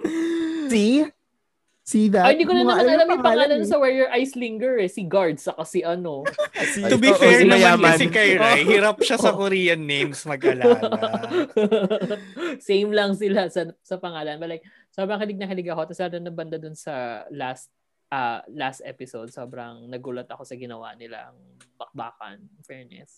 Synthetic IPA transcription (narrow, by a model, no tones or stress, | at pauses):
si | siðohɪnd̪iːkonɐnɐɐnʔɐlamɐpɐŋaːlɐnsɐwɛɹjɔɹʔajsliŋɡɛɹɛsiɡaɹd̪sɐkɐsiʔɐno | ʊbifɛɹnɐjaɐsikɐjɾjhiɾap̚ʃaɐkoɾijɐnːejmsmɐɡ̚ʔɐla | sejmlɐŋsɪlasɐsɐpɐŋaːlɐnbɐlaj̚ | sobɾɐŋkɪlɪɡ̚nɐkɪlɪɡɐko̞t̪ɐsɐnɐnɐbɐnd̪ad̪ʊnsɐlast̪̚ | ʔɐlast̪ʔɛ̰pɪsod̪̚soːbɾɐŋnɐɡuːlɐt̪ɐko̞sɐɡɪnɐwa̰nɪla̰ʔɐ̰ŋbɐk̚ba̰ːkɐ̰nfɛɹnɛ̰s